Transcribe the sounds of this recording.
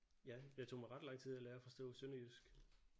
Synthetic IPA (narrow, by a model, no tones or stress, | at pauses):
jæjɑ̈ɪt͡sʰo̝̰mɑ̈ɪʁɑ̈d̥lɑ̈ŋ̰t͡sʰið̰ˠælæːɐɒfɒ̽sd̥ɔ̰̽ːsønəjysɡ̥